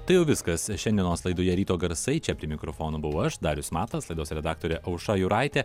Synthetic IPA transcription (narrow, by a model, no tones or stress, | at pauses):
t̪ɐɪjɛʊʋʲɪskɐsʃʲɛnʲd̪ʲiɛnoːslˠɐɪd̪oːjɛɾʲiːt̪oːɡɐɾsɐɪt͡ʃʲɛpʲɾʲiːmʲɪkɾofoːnoːbʊʋɐʊɐʃd̪ɑːɾʲʊsmɑːt̪ɐslˠɐɪd̪oːsɾʲɛd̪ɑːk̚t̪oːɾʲɛʔɐʊʃɑjʊɾɑˑɪt̪ʲɛ